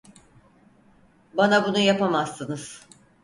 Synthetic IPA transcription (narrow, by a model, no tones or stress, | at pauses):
banabunujapamasːɯnɯz̥